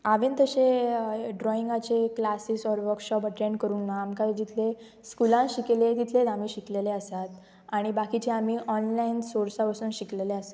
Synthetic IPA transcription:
aʋent̪əɕeɖɾɔiŋɡat͡ɕeklasisɔɾʋəɾkɕɔpəʈɾẽɳɖkəɾuːnːaːmkad͡ʑit̪ʰle | skulãɕikelet̪it̪ʰled̪amiːɕikleleəsat̪ | aɽ̃ibakit͡ɕeamiːʔɔnlainsoɾsaʋəsuːnɕikleleəsḁ

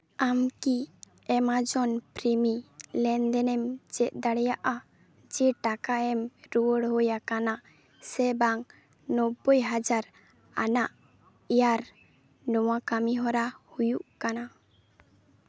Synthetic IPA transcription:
amki | ɛmad͡ʒɔnpɾimilɛnd̪ɛnɛmd͡ʒɛʔ̪̚ˀd̪aɽɛjaʔa | d͡ʒɛʈakaɛmɾuwəɽɦojakana | sɛbaŋ | nɔbːojɦad͡ʒaɾ | anaʔ | ijaɾ | nɔwakamiɦɔɾahujuʔkana

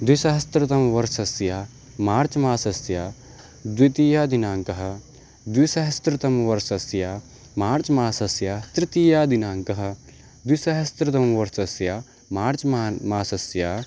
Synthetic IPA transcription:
d̪wisɐɦɐst̪ɾɐt̪ɐmʋɐɾsɐsjaː | maːɾt͡ʃmaːsɐsjaː | d̪wit̪iːjaːd̪inaːŋkɐɦɐ̆ | d̪wisɐɦɐst̪ɾɪt̪ɐmʋɐɾsɐsjaː | maːɾt͡ʃmaːsɐsjaːst̪ɾɪt̪iːjaːd̪inaːŋkɐɦɐ̆ | d̪wisɐɦɐst̪ɾɨt̪ɐmʋɐɾsɐsjaː | maːɾt͡ʃːmaːsɐsjaː

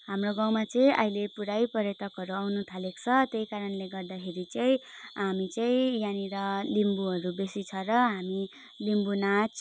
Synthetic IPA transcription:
ɦamroɡãwmat͡sʌĩʔa̰ilepuɾajpʌɾjet̪ʌkɦʌɾuawnut̪ʰalekt͡sʰʌt̪ejkaɾʌnleɡʌrd̪akʰeɾit͡sʌĩɦamit͡saĩjaniɾʌlimbuɦʌɾubesit͡sʰʌrʌɦami | limbunat͡s

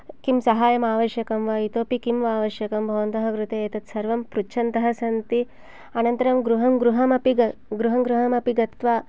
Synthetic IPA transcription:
kimsɐɦaːjɐmaːʋɐʃjɐkɐmʋaːit̪oːpikimʋaːʋɐʃjɐkɐmbʱɐʋɐnt̪ɐɦɐɡɾut̪eeːt̪ɐt̪sɐɾʋɐmpɾut͡ʃʰɐnt̪ɐɦɐsɐnt̪i | ɐnɐnt̪ɐɾɐmɡɾuɦɐmɡɾuɦɐmɐpiɡɐɡɾuɦɐmɡɾuɦɐmɐpiɡɐt̪ʋaː

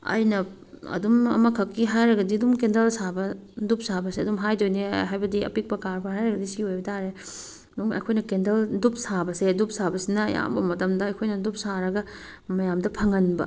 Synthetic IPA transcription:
ɐ̰jnɐ | ɐ̰dumɐ̰mɐkʰɐkːiɦajɾɐɡɐdiɐdumkendɐlsabɐdup̚sabɐseɐdumɦajdojneɦajbɐdiɐ̰pik̚pɐkaɾpʰɐɦajɾɐɡɐdisiojbɐtʰaɾe | duŋɐ̰jkʰojnɐkendɐldup̚sabɐseɐdup̚sabɐsinɐːja̰mbɐmɐtɐmdɐɐjkʰojnɐdup̚saɾɐɡɐ | mɐjamdɐpʰɐŋɐnbɐ̰

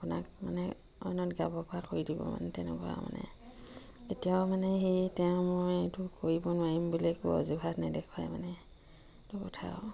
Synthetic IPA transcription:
apunak̚manɛ | ɔ̰nɔtɡabɔpɔɹakoɹidibɔ̰ma̰nɛtɛnɛ̰kɔa̰ma̰nɛ̰ | etijamanɛxitɛʊ̃mojetʊkoɹibɔnʊwaɹimbulekṵɔ̰zubʱatnadɛkʰwajmanɛ | tʊkɔtʰa̰ʊ

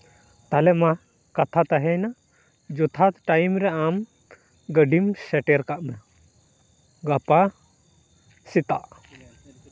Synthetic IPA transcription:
t̪alɛma | kat̪ʰat̪aɦɛjnaʔ | d͡ʒut̪ʰat̪ʈajmɾɛam | ɡəɖimsɛʈɛɾkaʔma | ɡapa | sit̪a̰ʔ

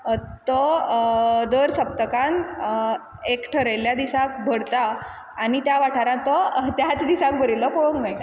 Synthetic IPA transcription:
t̪ɔ | d̪əɾsəp̚t̪əkãn | ekʈʰəɾəjljad̪isãkbʱəɽt̪aː | ɽ̃it̪jaʋaʈʰaɾãt̪ɔt̪jat͡sd̪isãk̚bʱəɾilɔkoɭoŋknaj

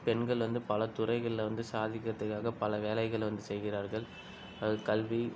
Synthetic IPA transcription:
pɛɳɡɐɭʋɐnd̪ɯpɐlɐt̪ʊrɐɪɣɐɭɪlʋɐnd̪ɯsaːðɪkːɐt̪ːɯkːaːɣɐpɐlɐʋeːlɐɪɣɐɭʋɐnd̪ɯsɛjɣɪraːɾɣɐɭ | ɐðɯkɐlʋi

